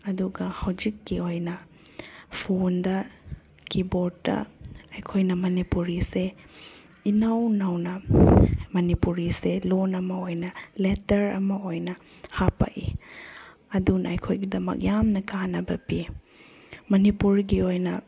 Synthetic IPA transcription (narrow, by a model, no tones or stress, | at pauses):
ɐduɡɐhɐwd͡ʒikːiojnɐ | pʰondɐ | kibotːɐ̰ɐjkʰojnɐmɐnipuɾise | inɐwnɐwnɐ | mɐnipuɾiselonɐmɐojnɐletɐɾɐ̰mɐojnɐ | hapa̰ʔi | ɐdunɐjkʰojɡidɐmɐ̰k̚jamnɐkanɐbɐbi | mɐnipuɾɡiojnɐ